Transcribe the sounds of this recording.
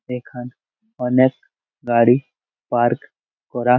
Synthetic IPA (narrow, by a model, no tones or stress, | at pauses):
ekʰan | ɔnek̚ | ɡaːɽi | paːɾk | kɔɾa